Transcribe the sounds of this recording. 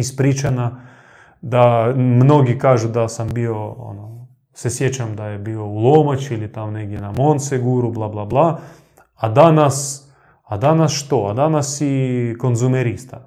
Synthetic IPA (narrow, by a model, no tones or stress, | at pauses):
ispɾit͡ʃana | d̪amno̞ɡikaːʒud̪asambioo̰no | sesjet͡ɕamd̪ajebio̞ulˠomat͡ʃilit̪amoneɡ̚d̪ʲjenamont̪seɡuɾublˠablˠablˠa | ad̪anas | ad̪anasʃt̪oad̪anasikonzumeɾist̪a